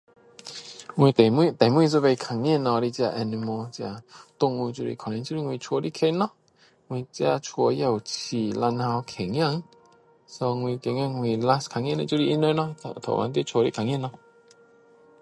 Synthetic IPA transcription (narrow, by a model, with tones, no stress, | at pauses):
ŋwĩ˧t̪e˨mi˧t̪a˨mwĩ˧zu˧ve˧kʰa˨˧ŋi˧˥˧nɔ˧ɾi˦˧t͡ɕja˧ʔɛ˧ni˧mo˧t͡ɕja˧˨t̪ʊ˧˨ŋũ˧t͡ɕu˧ɾḭ˧kʰa˨n˧nt͡ɕu˧˦˧i˦˧ŋwĩ˧t͡ʃʰwɔ˧ɾi˦˧˨kʰe˧nɔ˦ | ŋwĩ˧t͡ɕja˧t͡ʃʰwɔ˧ja˧˨wt͡ɕʰi˧˩la˧nha˧wkʰe˨ŋj̃ã˥˧˨ŋ | so˧ŋwĩ˧ke˨ŋjã˥˧˨ŋwĩ˧la˧skʰa˧ŋjnlḭ˧t͡ɕju˧i˧ʔi˧˦nə˧˦nɔ˧˨t̪ʰo̰˨wa̰˧nt̪i˦˨t͡ʃʰwo˧ɾḭ˦˨kʰa˨ŋji˥˧˨nɔ˧